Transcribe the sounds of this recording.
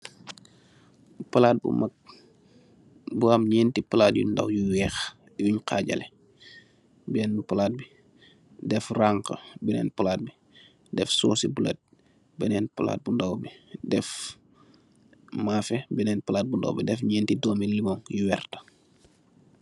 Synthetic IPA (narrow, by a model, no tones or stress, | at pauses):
pɐlaːt̚bṵmak̚ | buamɲɛːntipɐlaːt̚jṵnda̰wjuwɛːx | juɲkʰaːɟɐ̰lɛ | bɛnpɐlaːt̚bi | dɛfraŋkə̰bɛnɛ̰ːnpɐlaːt̚bi | dɛfsɔːsibulɛ̰t̚ | bɛnɛːnpɐla̰ːt̚bundawbidɛf | maːfɛbɛnɛːnpɐlaːt̚bundɐ̰wbidɛfɲɛːntidɔːmilːimɔŋjuwɛːrtə̥